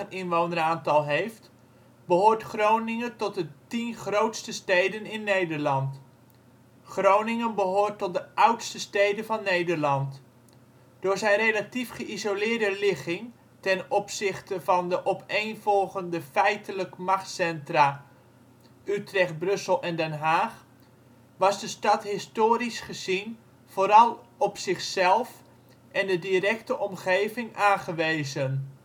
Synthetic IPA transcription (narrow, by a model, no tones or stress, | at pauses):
ənɪnʋownəraːntɑlˠɦejft | bəɦoːɹtχrownɪŋəntɔt̚dətinχrowtstəstejdənɪnːejdəɹlɑnt | χrownɪŋənbəɦʊːrtɔt̚dəʔʌwtstəstejdəvɑnːejdəɹlɑnt | d̥ʊːɹzɛjrejlatifχəʔizolɪːɹdəlɪχɪŋ | tɛnɔpsɪχtəvɑndəʔɔpejnvɔlˠχəndəfɛjtələkmɑχtsɛntra | ytrɛχt̚brɵsəlˠɛndɛnɦaːχ | ʋɑzdəstɑtɦɪstoːɾisχəzin | v̥oːɾɑlˠɔpsɪχsɛlˠf | ʔɛndədirɛktəʔɔmχejvɪŋʔaːχəʋejzən